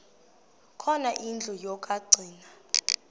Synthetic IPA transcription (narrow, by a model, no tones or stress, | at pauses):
kʰɔnaʔind͡ɮʱɔjɔkʼaɡ͡ǀʱiːna